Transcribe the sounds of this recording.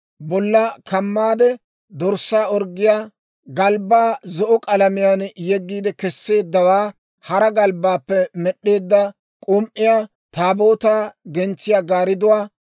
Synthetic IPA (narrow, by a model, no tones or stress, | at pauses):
bɔlːɐkɐmːaːd̪ɛ | d̪ɔɾsːaːɔɾɡɪjaː | ɡɐlbaːzɔʔɔkʼɐlɐmɪjanjɛɡːiːd̪ɛkɛsːe̞ːd̪ːɐwaː | hɐɾɐɡɐlbaːpːɛmɛɗːe̞ːd̪ːɐ | kʼʊmʔɪjaː | t̪aːbo̞ːt̪aːɡɛnt͡sːɪjaːɡaːɾɪd̪ʊwaː